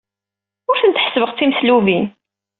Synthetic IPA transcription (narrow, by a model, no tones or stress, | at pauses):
ʊɾθənt̪ħə̥svəʁt͡sːimsluvi